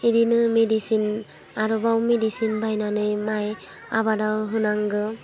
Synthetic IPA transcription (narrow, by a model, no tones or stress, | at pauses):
idinɯmedisin | aɾɔbawmedisinbajnanɯjmaj | abadawɦɯnaŋɡɯ